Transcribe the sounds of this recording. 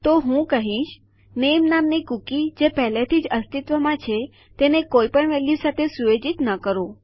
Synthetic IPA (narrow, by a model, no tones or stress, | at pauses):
t̪oɦũkəɦĩʃ | nemnamnikukid͡ʒepɛɦlet̪ʰid͡ʒəst̪it̪ʋəmãt͡ʃʰe | t̪enekoipəɳʋɛljusat̪ʰesuʋed͡ʒit̪nəkəɾõ